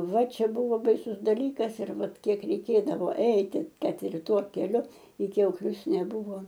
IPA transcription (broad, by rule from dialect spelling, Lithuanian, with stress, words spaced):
ˈʋɐ ˈt͡ʃʲɛ ˈbuːʋoː bɐɪˈsʊs dɐˈlʲiːkɐs ɪr ˈʋɐt ˈkʲiɛk rʲɛɪˈkʲeːdɐʋoː ˈɛɪtʲɪ ˈkɐt ɪr ˈtuɔ kʲɛˈlʲʊ ɪ kʲɛʊˈklʲʊs nʲɛˈbuːʋoː